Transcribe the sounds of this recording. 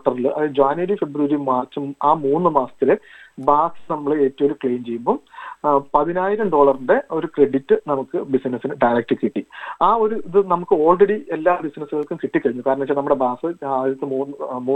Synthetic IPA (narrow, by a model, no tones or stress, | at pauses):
oʈːɐrilʔɐ̰ðɨd͡ʑaːnʋɐɾife̞bɾuʋɐɾimaːrt͡ɕːɐmaːmuːnːɨmaːsɐ̥t̪ːilebaːsɨ̥nɐmːɐɭeeːtːɐmoɾukɭejmt͡ɕe̞jumboː | pɐðinaːjiɾɐmɖo̞ːɭɐruɳɖe̞o̞ɾukreɖitːɨnɐmukːɨbisinɐsinɨɖɐjɾɐk̚ʈːɨkːiʈːiaːo̞ɾuiðɨnɐmukːɨo̞ːlreɽie̞lːaːbisnɐsuɣɐɭkːumkiʈːikːɐɻiɲːukaːɾɐɳɐmɐt͡ɕːaːnɐmːuɽe̞baːsɨaːðiɾɐt̪ːɨmuːnːmuː